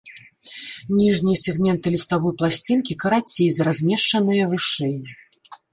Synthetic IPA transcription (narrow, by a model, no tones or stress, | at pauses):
nʲiʐnʲijɐsʲɛɣmʲɛnt̪ɨlʲist̪avɔjplˠasʲt͡sʲinkʲikɐɾat͡sʲːejzɐɾazʲmʲɛʂt͡ʂɐnɨjɐvɨʂɛjnʲi